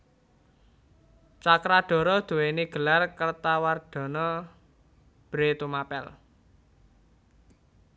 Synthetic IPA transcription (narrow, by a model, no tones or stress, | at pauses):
t͡ʃakɾaɖ̪̥ɔ̤ɾɔd̪̥ṳweniɡ̥ə̤larkərt̪awarɖ̪̥ɔ̤nɔ | b̥ɾet̪umapɛ̰l